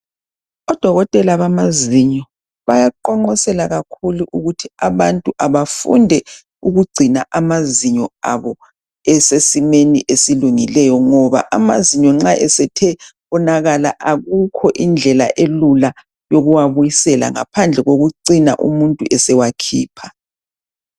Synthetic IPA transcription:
ɔd̥ʱɔɣɔtʼɛlaβamaziɲɔ | βajaǃɔŋ͡ǃɔsɛlaɣakʰuluʔuɣutʰiaβantʼuʔaβafṵndʱɛ | uɣuɡ͡ǀʱinaʔamaziɲɔa̰βɔ | ɛsesimeniʔesiluŋilɛjɔŋɔβa̰ʔamaziɲɔŋ͡ǁaʔɛsɛtʰɛ | ɔnaɣalaʔaɣukʰɔʔind͡ɮʱɛla̰ʔelula | joɣuwaβujisɛla̰ŋa̰pʰand͡ɮʱɛɣoɣuǀina̰ʔṵmuntʼuʔɛsɛwakʰiːpʰḁ

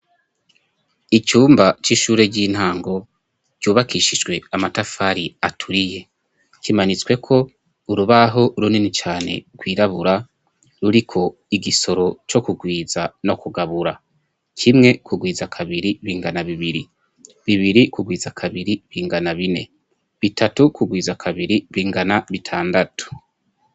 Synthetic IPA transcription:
it͡ʃuːmbat͡ʃiːʃuːɾe̞ɟiːn̥haːŋɡo̞ | ɟ̥uːβakʰiʃid͡ʒɡwe̞amatafaɾiatʰuɾije̞ | kimanit͡swe̞kʰo̞ | uɾuβaɦo̞ɾuninit͡ʃaːne̞̰ɡ̥wiːɾaβuɾa | ɾuɾikʰo̞ | iɡiso̞ɾo̞t͡ʃo̞kuɡwiːzano̞kuɡaβuɾa | kʰimŋe̞kʰuɡwiːzakʰaβiɾiβiːŋɡanaβiβiɾi | βiβiɾikuɡwiːzakʰaβiɾiβiːŋɡanaβine̞̰ | βitʰatukuɡwiːzakʰaβiɾiβiːŋɡanaβitʰaːndatu̥

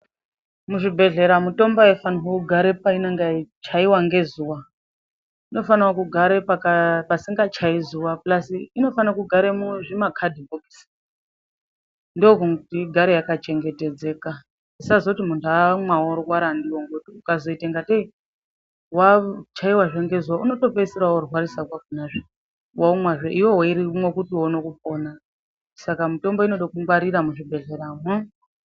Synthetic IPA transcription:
muʐibʱe̞ɮe̞ɾamuto̞mbaefanwokuɡʱaɾepaineŋɡait͡ʃaiwaŋɡe̞zuwa | ino̞fanwakuɡʱaɾepakapasiŋɡat͡ʃaizuwaplasiino̞fanakuɡʱaɾemuʐimakʰadʱiboɡisi̥ | ndokuŋutiɡʱaɾejakat͡ʃe̞ŋɡe̞te̞d͡ze̞ːka | isazotimuntamwaoɾowaɾandiwoŋɡotiukazo̞itaŋɡatei | wat͡ʃaiwaʐeŋɡe̞zwauno̞to̞pesiɾaorwaɾisakwakunaʐe | waumwaʐeʔiwo̞ɦoiɾimwekutiwonokup̚o̞ːna | sakamito̞mbo̞ino̞ɗokuŋɡaɾiɾamuʐibʱe̞ɮeɾama

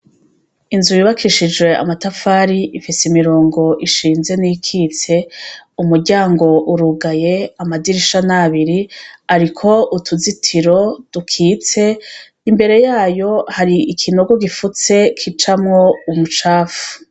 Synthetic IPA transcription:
inzujiβakʰiʃid͡ʒwe̞a̰matafaːɾiʔifiseimiɾo̞ːŋɡo̞ʔiʃiːnze̞nikʰit͡se̞umuɾɟaːŋɡo̞ʔuɾuɡaje̞amadiɾiʃanaβiɾiaɾikʰo̞ʔutʰuzitʰiɾo̞d̥ukʰiːt͡se̞ | imbe̞ɾe̞jaːjo̞haɾiikʰinoɡo̞ɡifut͡se̞kʰit͡ʃamŋo̞umut͡ʃaːfu̥

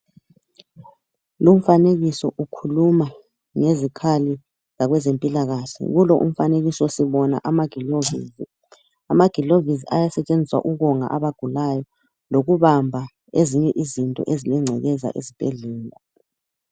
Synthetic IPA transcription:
lum̩faneɣisɔ̰ʔukʰuluma | ŋezikʰali | z̥aɣwɛzempʼilaɣaːɬɛ̰ɣulɔʔṵm̩faneɣisɔsiβɔna̰ʔamaɡ̥ʱilovi | amaɡ̥ʱiloviziajasɛt͡ʃʼend͡zʱiswa̰ʔuɣɔŋa̰ʔaβaɡ̥ʱulajɔ | loɣuβambʱa | eziɲɛʔizintʼɔ̰ʔezilɛŋ͡ǀʱɛɣɛza̰ʔḛzib̥ʱɛɮɛːla

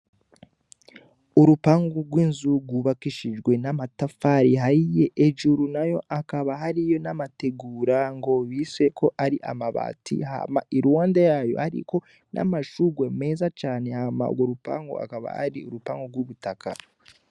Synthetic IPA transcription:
uɾupaːŋɡuɡwiːnzuɡuβakiʃid͡ʒɡwe̞namatafaɾiɦaije̞ʔeʒuɾunajo̞̰ʔakaβaɦaɾijo̞namate̞ɡuːɾaŋɡo̞βise̞kʰo̞ʔaɾiʔa̰maβa̰ːtʰḭha̰maʔiɾuwaːndajajo̞̰haɾḭko̞ | nʔa̰maʃuɡweme̞ːzat͡ʃaːne̞hama̰ṵɡwoɾupa̰ːŋɡṵa̰kaβa̰ha̰ɾiuɾupaːŋɡoɡwuβutakʰa̰

